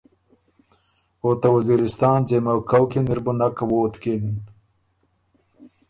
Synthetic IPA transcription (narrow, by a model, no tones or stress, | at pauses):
ot̪awaziɾɪst̪ɑːnzemawkawkenɪɾbʊnakawoːt̪kin